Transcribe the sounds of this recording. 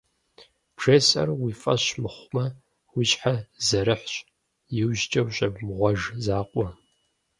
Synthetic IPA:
pʰr̥eːsɐ̰rwiːfʼɐɕmɨχʷmɐ | wʊɕʼħazɐɾɨħʷɕʼ | jɪwʒt͡ʃʼɐwɕʼɐbmʁʷɔʒzaːqʷʼɔ

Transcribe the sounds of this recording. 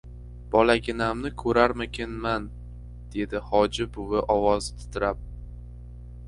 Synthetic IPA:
b̥ɒlaɡʲɪnamnɪkʰɵɾaɾmɪkʲʰɪnman | d̪̥e̞d̪ɪhɒd͡ʒɪbʊvɪʔɒwɒzt̪ʰɪ̥t̪ʰɪɾap̚

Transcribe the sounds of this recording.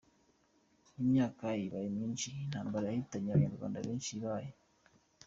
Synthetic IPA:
imɲaːkajiβajimɲiːnʃinhaːmbaɾajahitaɲaβɡeːnuɾɡwa̰ːnda̰βiːnʃiβaje

